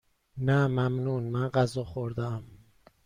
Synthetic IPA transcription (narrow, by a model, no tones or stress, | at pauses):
næmæmnuːnmænɢæzɒːxoɾd̪æm